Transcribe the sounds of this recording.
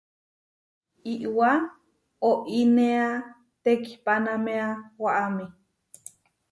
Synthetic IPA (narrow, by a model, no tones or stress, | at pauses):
iʔwa | oʔinea | t̪eki̥panameawaʔami